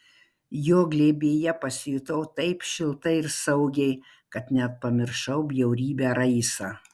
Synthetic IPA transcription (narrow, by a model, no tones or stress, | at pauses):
joːɡlʲeːbʲeːjɛpɐsʲɪjʊt̪ɐʊt̪ɐɪpʃʲɪlˠt̪ɐɪɪɾsɐʊɡʲɛɪ | kɐt̪nʲɛɐt̪̚pɐmʲɪɾʃɐʊbʲjɛʊɾʲiːbʲæɾɐɪsɐ